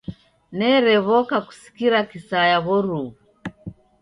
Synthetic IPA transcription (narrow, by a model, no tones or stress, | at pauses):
nɛɾɛβɔkaku̥si̥kiɾakisajaβɔɾu